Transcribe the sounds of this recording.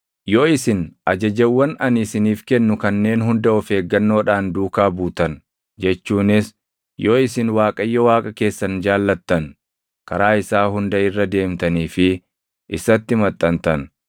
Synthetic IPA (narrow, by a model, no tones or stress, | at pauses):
joːɪsɪnɐd͡ʒɐd͡ʒɛwːɐnɐnɪsɪniːfkɛnːʊkɐnːe̞ːnɦʊnd̪ɐɔfe̞ːɡːɐnːo̞ːᶑaːnd̪uːkaːbuːt̪ɐn | d͡ʒɛt͡ʃːuːnɪs | joːɪsɪnwaːkʼɐjːɐwaːkʼɐke̞ːsːɐnd͡ʒaːlːɐt̪ːɐn | kʰɐɾaːɪsaːhʊnd̪ɐɪrːɐd̪e̞ːmt̪ɐniːfɪ | ʔɪsɐt̪ːɪmɐt̪ʼːɐnt̪ɐn